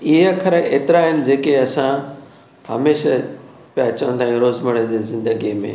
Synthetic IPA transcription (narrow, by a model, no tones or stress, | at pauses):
iɦəkʰɐɾəeːt̪ɪɾaɦɪnɪ̆d͡ʑeːkeɐsã | hɐ̰meːʃə | pijat͡ɕɐʋə̃nt̪ʰaːɦĩɾoːzməɽəd͡ʑeːzɪ̃nd̪əɡimḛ̃